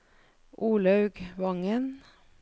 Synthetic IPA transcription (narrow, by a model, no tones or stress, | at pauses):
ʔuːlɑʉɡʋɑŋən